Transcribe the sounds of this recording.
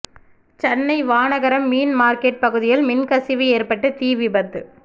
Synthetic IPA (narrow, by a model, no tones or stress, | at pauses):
t͡ʃɛnːɐɪʋaːnɐɣɐɾɐmːiːnmaːɾkeːʈ̚pɐɣɯðɪjɪlmɪnkɐsɪʋieːrpɐʈːɯt̪iːʋɪbɐt̪ːɯ